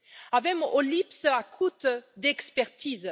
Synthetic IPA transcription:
avɛmʔolipsəakʰut̪d̪ɛkspɛʁt̪iz

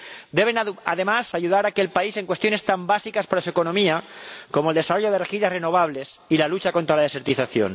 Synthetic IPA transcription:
d̪e̞β̞e̞na̰ðe̞masaʝuðaɾakelpaise̞ŋkwet̪jo̞ne̞st̪ambasikaspaɾasue̞ko̞nõ̞miakomoeld̪e̞saro̞ʝo̞ð̞e̞rexiʎareno̞βaβ̞le̞s | ilalut͡ʃako̞nt̪ɾalað̞e̞se̞ɾt̪iθaθjo̞̰n

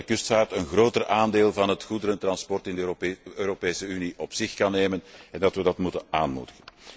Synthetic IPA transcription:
əkʏstfaːrtənɣroːtərʔaːndeːlˠvɑnɦətxudəɾəntrɑnspɔrtɪndøːɾopeːsəyniʔɔpsɪxkɑnːeːmənɛndɑtʋədɑtmutənaːnmṵːdəɣən

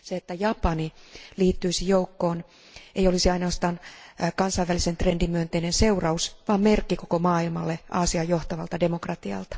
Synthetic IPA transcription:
seet̪ːæjɑpɑniliːt̪ːyisijoukːoːn | ejolisiɑinoːst̪ɑːnkɑnsɑiʋælisent̪rendimyønt̪einense̞urɑusʋɑːmmerkːikokomɑːilmɑlːeʔɑːsiɑjjo̞ht̪ɑʋɑlt̪ɑde̞mo̞krɑt̪iɑ̰lt̪ɑ̥

